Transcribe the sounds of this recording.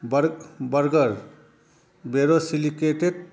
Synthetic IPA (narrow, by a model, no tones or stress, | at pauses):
bɾbʌɾɡʌɾ | beɾosilikeʈed̚